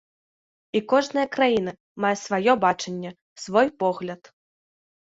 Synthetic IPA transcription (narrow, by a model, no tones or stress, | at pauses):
ikɔʐnɨjɐkɾajin̪ɨ | majɐsvajɔbat͡ʂɐnʲːɛ | svɔjpɔɣlʲɐt̪